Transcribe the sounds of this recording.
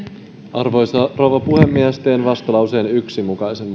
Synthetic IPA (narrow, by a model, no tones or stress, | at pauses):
ʔɑrʋo̞jsɑrowʋɑpuhemːiæst̪e̞ːnʋɑst̪ɑlɑuseːnyksimukɑjse̞mː